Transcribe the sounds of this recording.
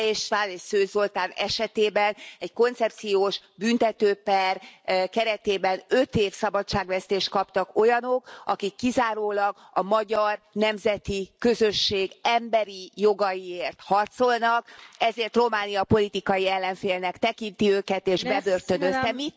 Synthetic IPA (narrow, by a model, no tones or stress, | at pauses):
iʃtaːneːʃsøːzo̞lt̪aːnɛʃɛt̪eːbɛnɛɟko̞nt̪sɛp̚t̪sijoːʃbynt̪ɛt̪øːpɛrkɛɾɛt̪eːbɛnø̞t̪eːfsɒbɒt͡ʃːaːɡʋɛst̪eːʃt̪̚kɒpt̪ɒko̞jɒno̞kɒkikːizaːɾoːlɒɡ | ɒmɒɟɒrnɛmzɛt̪ikø̞zøʃːeːɡɛmbɛɾijo̞ɡɒjieːrt̪hɒrt̪so̞lnɒkɛzeːrt̪ro̞maːnijɒpo̞lit̪ikɒjiɛlːɛɱfeːlnɛkt̪ɛkint̪iøːkɛt̪eːʒbɛbørt̪ønøzt̪ɛmi